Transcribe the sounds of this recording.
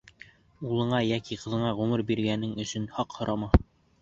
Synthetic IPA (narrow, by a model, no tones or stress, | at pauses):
ulˠɤ̆ɴɑjækiqɤ̆ðɤ̆ɴɑʁʉmɘɾbiɾɡænɘŋɵ̆ʃɵnhɑqhŏɾɑmɑ